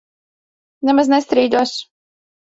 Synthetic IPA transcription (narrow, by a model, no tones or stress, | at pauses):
nɛmaznɛst̪ɾiːd̪uɔs